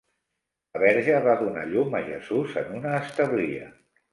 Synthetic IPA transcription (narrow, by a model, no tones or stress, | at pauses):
əβɛɾʒəβaðuna̰ʎuməʒəzuzə̰nunəːst̪əβliə̰